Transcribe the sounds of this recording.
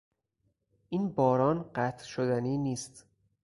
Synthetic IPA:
ʔiːnbɒːɾɒːnɢæt̪ʰʃod̪æniːniːst̪

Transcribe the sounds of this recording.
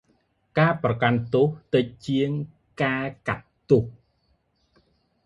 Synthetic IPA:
kaːprɑkant̪uht̪ɨc̚t͡ɕiəŋ | kaːkat̪ːuh

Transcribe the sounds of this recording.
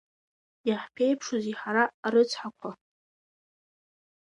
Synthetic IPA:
jaħpʰejpʰʂoziħaɾaɾɨt͡sʷʰħakʷʰa

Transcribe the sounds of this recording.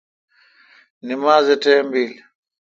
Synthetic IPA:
nimaːzɛtɛmbiːli

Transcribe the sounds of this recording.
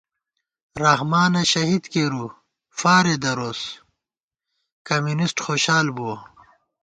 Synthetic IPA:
ɾɐhmaːnɐɕɐɦid̪keːɾu | faːɾed̪ɐɾoːs | kɐmjunisʈxoːɕaːlbuo

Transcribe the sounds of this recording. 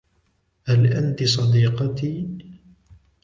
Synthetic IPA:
halʔant̪isˤɑd̪iːqɑt̪iː

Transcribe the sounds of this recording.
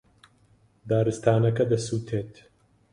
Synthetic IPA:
d̪aːɾɨst̪aːnɐkɐd̪ɐsuːt̪ʰeːt̪

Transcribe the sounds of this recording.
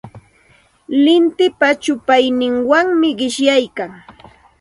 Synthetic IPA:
lɪnt̪ɪpat͡ʃʊpajnɪŋwaŋmɪɢɪʃjajkaŋ

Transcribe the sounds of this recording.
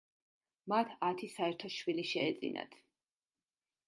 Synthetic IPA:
mat̪ʰat̪ʰisaɛɾt̪ʰɔʃwiliʃɛːt̪zʼḭna̰t̪ʰ

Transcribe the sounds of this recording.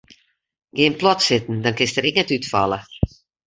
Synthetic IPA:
ɡeːnplɔtsɪtn̩dɔnkɪnstərɪknɛtytfɔ̰lˠə

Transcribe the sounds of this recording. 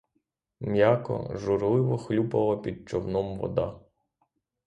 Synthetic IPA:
mʲjakɔ̰ʒʊɾlˠɪʋɔxlʲupɐlˠɐpʲid̪̚t͡ʃɔwnɔmʋɔ̰d̪ɑ

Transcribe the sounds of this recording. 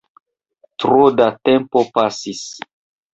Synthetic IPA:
tɾodate̞mpo̞pasis

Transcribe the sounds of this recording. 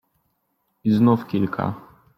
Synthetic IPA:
iznufkʲilkʰa̰

